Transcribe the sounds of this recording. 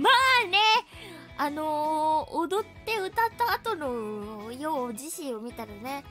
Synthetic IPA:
maːne̞ | anood̪o̞t̪ːe̞ɯ̟t̪at̪ːaːt̪o̞nojoːd͡ʑiɕĩɰomʲit̪aɾane̞

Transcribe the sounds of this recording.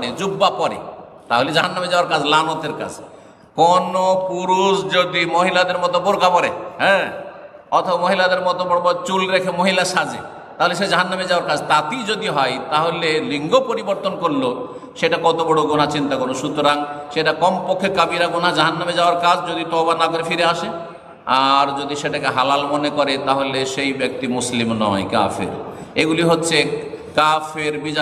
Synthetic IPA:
ɽed͡ʒubːapɔɾḛ | t̪aɦoled͡ʑaɦanːamed͡ʑaoaɾkad͡ʑlanot̪eɾka̰d͡ʑ | kɔnopuɾusd͡ʒod̪imoɦilad̪eɾmɔt̪oboɾkapɔɾḛɦɛ̃ | ɔt̪ʰɔbamoɦilad̪eɾmɔt̪obɔɽbɔt͡ʃulɾekʰemoɦilaʃad͡ʑḛ | t̪aɦoleʃ̬ed͡ʒɔɦanːamed͡ʑawaɾkad͡ʑt̪at̪id͡ʑod̪iɦɔjt̪aɦoleliŋɡopoɾiboɾt̪onkoɾlo | ʃeʈakɔt̪obɔɽoɡon̤at͡ɕint̪akɔɾoʃut̪oɾaŋʃeʈakɔmpokʰːekabiɾaɡon̤ad͡ʑaɦanːamed͡ʑaoaɾkad͡ʑd͡ʑod̪it̪ɔbanakoɾefiɾeaʃe | aɾd͡ʑod̪iʃeʈakeɦalalmonekɔɾet̪aɦoleʃejbek̚t̪imuslimnɔ̰ḛka̰fḛɾeɡuliɦotːɕʰekafeɾbid͡ʑa

